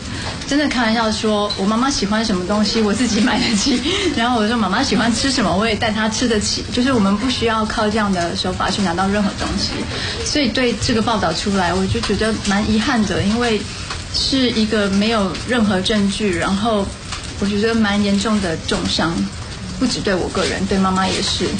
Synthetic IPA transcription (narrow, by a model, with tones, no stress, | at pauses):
ʈ͡ʂə˥nd̪ə˨kʰa˥˩n˧nj̪ɑ˥˩ʊʂwɔ˥wɔ˨˩ma˥˩ma˧˥ɕi˨˩xwa˥nʂə˧˥nmə˧t̪ʊ˥ŋɕi˨wɔ˨˩t͡sɹ̩˥˩t͡ɕi˨˧˥ma˨˩ɪd̪ə˧˦t͡ɕʰi˨˩ɻa˧˥nxo˥˩ʊwɔ˨˩˥ma˥ma˧ɕi˨˩xwa˦˥nʈ͡ʂʰɻ̩˥ʂə˧˥nmə˧wɔ˧˥jt̪a˥˩ɪt̪ʰa˥ʈ͡ʂʰɻ̩˥d̪ə˨t͡ɕʰḭ˨˩˦t͡ɕjo˥˧ʊʂ̬ɻ̩˥˩wɔ˨˩mə˧˦npu˥˩ɕy˥jɑ˥˧ʊkʰɑ˥˧ʊʈ͡ʂɤ˥˧jɑ˥˩ŋd̪ə˩ʂɻ̩˧˥xo˥˩ʊpa̰˨˩t͡ɕʰy˥˩na˧˥t̪ɑ˥˧ʊɻə˥˩nxɤ̰˧˥t̪ʊ˥ŋɕḭ˨ | swɔ˧˥i˨˩t̪we˥˧ɪʈ͡ʂɤ˥˩ɡə˩pɑ˥˧ʊt̪ɑ˥˩ʊʈ͡ʂʰu˥la˧˥ɪwɔ˨˩t͡ɕjt͡ɕɥɛ˧˥d̪ə˧ma˧˥nʔi˧˥xa˥˩nd̪ə˩i˥nwe˥˧ɪ | ʂɻ̩˥˩i˧˥ɡə˧me˧˥ɪjo˨˩ʊɻə˥˩nxɤ˧˥ʈ͡ʂə˥˧ŋt͡ɕy˥˩ɻa˧˥nxo˥˩ʊ | wɔ˨˩t͡ɕɥɛ˧˥t͡ɕɛ˧˥ə˧ma˧˥njɛ˧˥nʈ͡ʂʊ˥˩ŋd̪ə˩ʈ͡ʂʊ˥˩ŋʂɑ˥ŋ | pu˥˩ʈ͡ʂɻ̩˨˩t̪we˥˩ɪwɔ̰˨˩kɤ˥˩ɻə̰˧˦nt̪we˥˧ɪma˥˩ma˧jɛ̰˨˩ʂɻ̩˥˩